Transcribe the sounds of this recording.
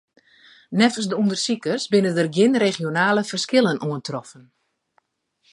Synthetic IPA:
nɛfəsdəundərsikərsbɪnədərɡjɪnreχijonaːlˠəfərskɪlˠənʔuəntrɔfən

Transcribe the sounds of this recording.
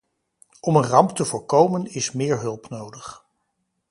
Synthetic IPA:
ɔmənrɑmptəvʊːɹkowmənɪsmɪːɹɦɵlˠpnowdəχ

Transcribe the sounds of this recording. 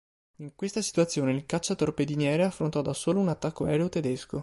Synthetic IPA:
iŋkwest̪asi̥t̪uat̪sːjoːneilkat͡ʃːat̪orped̪injɛːɾeafːɾont̪ɔd̪asoːlounat̪ːakːoɛːɾeot̪ed̪esko

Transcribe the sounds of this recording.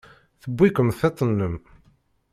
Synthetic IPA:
θəbːikəmθet̪ˤːənːəm

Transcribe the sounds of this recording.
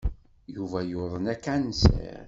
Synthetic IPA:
juvæjʊðˤənækːansə̰ɾ

